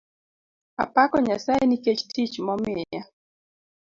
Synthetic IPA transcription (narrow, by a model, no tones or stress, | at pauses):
a̰pakɔɲasaɛniket͡ʃtit͡ʃmɔmɪa